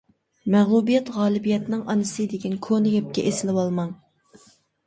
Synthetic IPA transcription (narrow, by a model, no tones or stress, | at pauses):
mæʁlˠubijɛt̪ʁɑːlˠɪbijɛt̪nɨŋɑnɨsɨd̪ɪkʲɛnkʰonɪɡʲɛp̚kʲɛʔesɪlɪwɑlˠmɑŋ